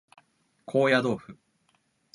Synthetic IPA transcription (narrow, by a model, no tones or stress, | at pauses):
kʰo̞ːjad̪o̞ːɸɯ̟